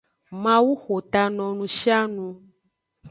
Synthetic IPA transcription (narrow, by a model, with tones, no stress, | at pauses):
mã˦wu˦xo˨t̪a˨nɔ̃˨nũ˨ʃi˦a˦nũ˧